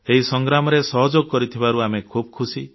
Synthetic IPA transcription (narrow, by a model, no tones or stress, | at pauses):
eɦisɔŋɡɾamɔɾesɔɦɔd͡ʒoɡɔkɔɾit̪ʰibaɾuamekʰubɔkʰusi